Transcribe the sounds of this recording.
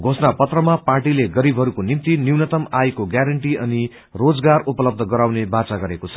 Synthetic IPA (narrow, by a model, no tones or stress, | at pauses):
ɡʱosnapʌt̪rʌmaparʈileɡʌɾibʱɦʌɾukonimt̪iniwnʌt̪ʌmajkoɡjaɾʌɳʈiʌni | rod͡zɡarupʌlʌb̚d̪ʱʌɡʌɾawnebat͡saɡʌɾekot͡sʰʌ̥